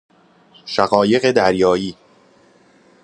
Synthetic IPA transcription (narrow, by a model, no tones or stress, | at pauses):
ʃæɣɒːje̞ɣed̪æɾjɒːjiː